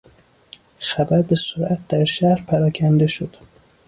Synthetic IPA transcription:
xæbæɾbesoɾʔæt̪̚d̪æɾʃæhɾpʰæɾɒːcʰænd̪e̞ʃod̪̥

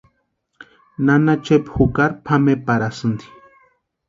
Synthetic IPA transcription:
nanat͡ʃepxukaɾpʰamepaɾasɨnd̪i̥

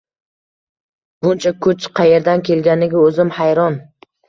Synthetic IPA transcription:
b̥ʊnt͡ʃʰakʰʊt͡ʃqʰɑje̞ɾd̪ankʲʰe̞lɡʲanɪɡʲaɵzɪmhajɾɒn

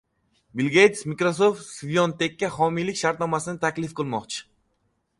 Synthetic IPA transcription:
bilˠɡʲejt̪smikɾos̬oft̪svijont̪ʰekʲːahɒmijlɪkʲʃaɾt̪nɒmasɪnɪt̪ʰakʲlɪfqɨlˠmɒqt͡ʃʰɪ̥

